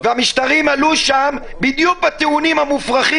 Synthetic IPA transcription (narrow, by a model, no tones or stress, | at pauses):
veamiʃt̪aʁimaluʃambid̪juk̚bat̪eunimhamufʁaχi